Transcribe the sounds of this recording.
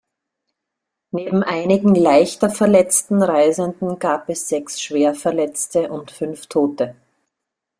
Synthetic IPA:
neːbm̩ʔaɪnɪɡŋ̩laɪçtɐfɛɐlɛt͡stn̩ʁaɪzəndn̩ɡ̥aːpɛsz̥ɛksʃv̥eːɐfɛɐlɛt͡stəʔʊntfʏnftʰoːtə

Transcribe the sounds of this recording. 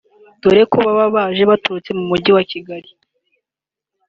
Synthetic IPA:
d̥uɾe̞koβaβaβaʒeβatuɾut͡se̞mumuɟiwaciɡaɾi

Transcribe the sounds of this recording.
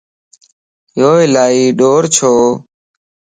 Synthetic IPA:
joːɪlaːiːɗoːɾt͡ʃʰoː

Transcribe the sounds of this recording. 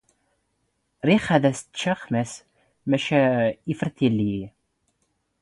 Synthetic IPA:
ɾiχæðæst͡ʃːaχmæs | mæʃæifəɾθilːi

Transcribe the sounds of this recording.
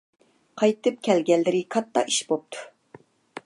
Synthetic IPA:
qʰɑjt̪ɨp̚kʲʰɛlɡʲɛlːɪɾɪkʰɑt̪ːɑ̰i̥ʃbop̚t̪ʰu̥

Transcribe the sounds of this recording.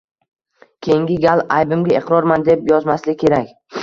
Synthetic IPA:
kʲʰe̞jɪŋɡʲɪɡʲalˠajbɪmɡʲaɪqɾɒɾmand̪epjɒzmaslɪkʲʰe̞ɾakʲ

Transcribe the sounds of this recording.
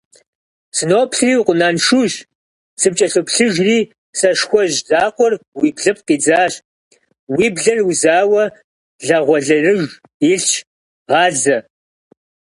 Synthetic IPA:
sɨnoːpɬriːwqʷʊnaːnʂuʒ | sɨp̚t͡ʃʼɐɬɨpɬɨʒriː | sɐʂxʷɔʒzaːqʷɔrwiːbɮɨp̚ʰqiːd͡zaːɕ | wiːbɮɐrwzaːwɐ | ɮɐʁʷɔɮɐrɨʒ | ɪɬt͡ʃʰ | ʁɑːɮɐ

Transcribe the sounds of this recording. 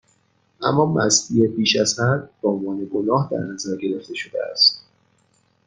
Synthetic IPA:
ʔæ̰mːɒːmæ̰st̪ijepiːʃæz̥hæd̪̚bɒonvɒːne̞ɡonɒːhd̪æ̰ɾnæzæɾɡe̞ɾe̞ft̪e̞ʃod̪ḛæ̰st̪̚

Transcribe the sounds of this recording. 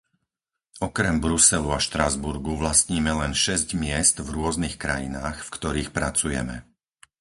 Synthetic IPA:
ɔkɾɛmbɾusɛluaʃt̪ɾazbuɾɡuʋlast̪ɲiːmɛlɛnʃɛzɟmɪɛst̪vɾʊɔznixkɾa̰jinaːxfkt̪ɔɾiːxpɾat͡sujɛ̰mɛ̰

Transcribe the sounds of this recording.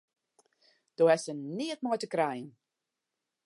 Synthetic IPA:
d̥oɛsənɪətmɔjtəkrɛjən

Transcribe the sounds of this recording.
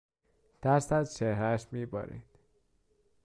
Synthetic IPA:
d̪̥æɾsæzt͡ʃʰehɾæʃmiːbɒ̰ːɾḭd̪̥

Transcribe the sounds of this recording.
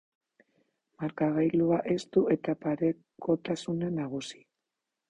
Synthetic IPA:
maɾkaɣajluaʔe̞st̪ue̞t̪apaɾe | ko̞t̪asunanaɣ̞usi̥

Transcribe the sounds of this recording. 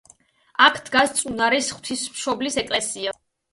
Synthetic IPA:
akʰd̪̥ɡast̪sʼunaɾisχw̥t̪ʰismʃɔblisɛkʼlɛsia

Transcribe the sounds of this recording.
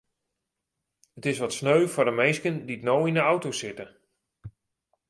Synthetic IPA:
ətɪsʋɔtsnøɥfʊrdəmejskənditnoːinəɔwtosɪtə

